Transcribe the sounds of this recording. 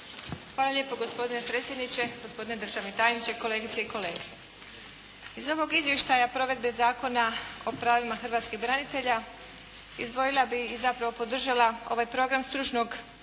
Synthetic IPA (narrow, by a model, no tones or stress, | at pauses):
xʋaːlalʲje̞ːpo̞ɡo̞spo̞d̪inepɾeːt̪sʲje̞d̪nit͡ɕe̞ɡospo̞d̪ine̞d̪ɾr̩ʒaʋnet̪ajnit͡ɕe̞ko̞le̞ːɡit̪se̞iko̞le̞ːɡe | izo̞ʋo̞ɡizʋje̞ʃt̪ajapɾo̞ʋe̞d̪̚be̞zaːko̞nao̞pɾaːʋimaxrʋaːt̪skiɣbɾanit̪e̞ʎa | izd̪ʋo̞jilˠabiːzapɾaʋo̞po̞d̪r̩ʒalao̞̰ʋajpɾo̞ɡɾamst̪ɾut͡ʃnoɡ